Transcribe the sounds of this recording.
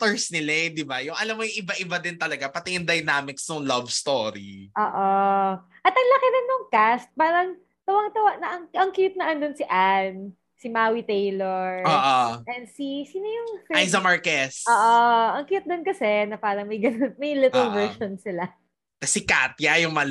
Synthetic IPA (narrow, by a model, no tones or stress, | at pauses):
t̪ɛɹsnɪlɛd̪ɪbajʊŋʔɐlamːojʊŋɪbaʔɪbad̪ɪnt̪ɐlɐɡapɐt̪ɛjʊŋd̪ɐjnamɪksnʊŋlɐvst̪oːɾiʔoːʔo | ʔɐt̪ɐŋlɐkɪɾɪnːoŋkast̪̚paːɾɐŋ | t̪ɐwɐŋt̪ɐwɐnɐʔɐŋɐŋkɪjʊt̪̚nɐʔɐnd̪onsɪʔan | sɪmaːwit̪ejloɹʔoːʔoʔɛnsisinɐjʊŋsajzɐmaɹkɛsoːʔoʔɐŋkɪjʊt̪̚d̪ɪnkɐsɛnɐpaːɾɐŋmɐjɡɐnonmɐjlɪt̪ɛlvɛɹʃonsɪla | kɐsɪka̰t̪̚jajʊŋmɐl